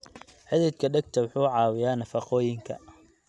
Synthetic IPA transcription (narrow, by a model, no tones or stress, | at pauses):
ħɪðɛd̪̚kʰɐɖɐɡ̚t̪ʰɐwʊħuːʕɑːwɪjaːnɐfɑqɔːjɪŋkʰɐ̰